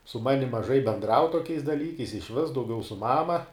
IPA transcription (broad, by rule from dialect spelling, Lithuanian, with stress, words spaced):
sʊ ˈmɑːnʲɪm mɐˈʒɐɪ bʲɛnˈdrɐʊ toːˈkʲɛɪs dɐˈlʲiːkɐɪs ɪʃʲˈʋʲɪs dɐʊˈɡʲɛʊ sʊ ˈmɑːmɐ